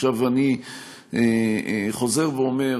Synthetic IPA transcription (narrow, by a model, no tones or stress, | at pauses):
avani | eχo̞zeʁveome